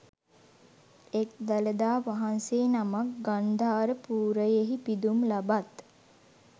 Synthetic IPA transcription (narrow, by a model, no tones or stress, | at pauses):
ek̚d̪aləd̪aːʋaɦanseːnamak̚ɡand̪ʱaːɾəpuːɾəjeɦipid̪umlabat̪